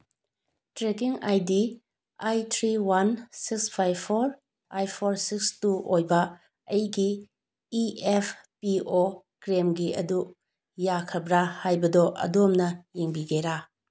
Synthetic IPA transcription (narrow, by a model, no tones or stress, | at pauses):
tɾekiŋajdi | ajtʰɾiwansikspʰajbpʰoɾ | ajpʰoɾsikstuʔojbɐ | ɐjɡiː | epʰpio | kɾemɡiɐ̰du | jakʰɐbɾahajbɐdɔʔɐ̰domnɐjeŋbiɡeɾa